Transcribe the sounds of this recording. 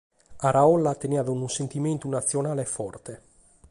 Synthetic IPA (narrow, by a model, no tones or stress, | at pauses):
aɾaɔlːat̪enead̪unusent̪iment̪unat̪sːjonaːlefɔrt̪e